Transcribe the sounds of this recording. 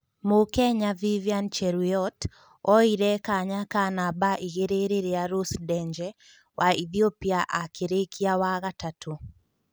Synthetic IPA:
mokɛɲaviviant͡ʃɛɾuɔt | ɔiɾɛkaɲakanabaʔiɣeɾeɾeɾeaɾosdɛɲd͡ʒɛ | wʔaiθiopiaʔakʰeɾekʰiawaɣatatʰo

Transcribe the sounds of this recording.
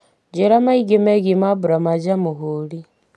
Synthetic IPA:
d͡ʒiɾamaiɡimeɡimabuɾamad͡ʒamuɦuli

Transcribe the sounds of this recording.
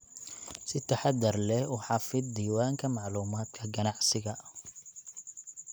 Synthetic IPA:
sɪt̪ʰɐħɑd̪ɐrlɛʊħɑfɪd̪d̪iːwaːŋkʰɐmɑʕluːmaːd̪kʰɐɡɐnɑʕsɪɣɐ

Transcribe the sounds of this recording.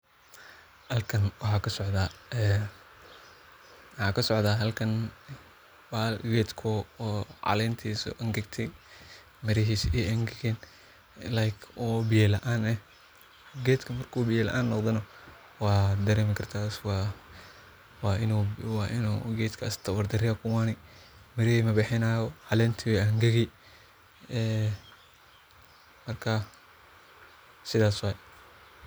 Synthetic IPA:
hɐlkʰɐnwɑħɑːkʰɐsɔʕd̪aːɛ | wɑħɑːkʰɐsɔʕd̪aːɦɐlkʰɐn | waɡɛːd̪kʰɔɔːʕɑ̰lɛːnt̪ʰiːsɔ̰ʔɐŋɡɛɡt̪ʰɛj | mɪɾɪɦiːsiʔɐŋɡɡɛn | lajkʰɔːbɪjɛlɐʔaːnɛh | ɡɛːd̪kʰɐmɐrkʰuːbɪjɛːlɐ̰ʔaːnːɔqd̪ɐnɐ | wɑːd̪ɐɾɛːmɪkʰɐrt̪ʰaːswɑ | wɑːɪnuwɑʔɪnuɡɛːd̪kʰast̪ʰɐwɐrd̪ɐrɪɐkʰʊwaːnɪmɪɾɪiːmɐbɪħɪnaːjɔʕɑlɛnt̪ʰɪwɛɐŋɡɐɣi | ɛː | mɐrkʰa | sɪðaːswɑj

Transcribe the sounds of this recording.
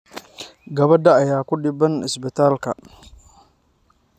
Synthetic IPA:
ɡɐβɐd̪ɐɐjaːkʰʊɗɪbɐnɪ̰sbɪt̪ʰaːlkʰɐ̰

